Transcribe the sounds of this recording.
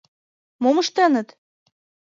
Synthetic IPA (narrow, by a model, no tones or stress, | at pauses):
momɤʃt̪ɑnɤ̆t̪